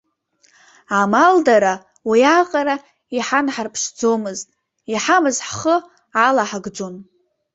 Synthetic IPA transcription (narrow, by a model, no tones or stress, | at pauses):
amaldaɾa | wijaqʼaɾa | iħanħarpʰʂd͡zo̞mɨztʼ | iħamɨzħχə | alaħaɡd͡zon